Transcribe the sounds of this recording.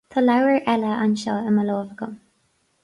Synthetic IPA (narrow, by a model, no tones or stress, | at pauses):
t̪ʰɔlawəɹʔɛləʔanʃɔəməlɔːvəɡəm